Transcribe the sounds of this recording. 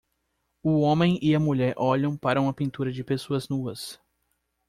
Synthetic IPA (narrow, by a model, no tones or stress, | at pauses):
ʊõmẽj̃ɪɐmuʎɛɾʔɔʎɐ̃w̃paɾɐũmɐpĩnt̪uɾɐd͡ʒɪpesoɐznuɐs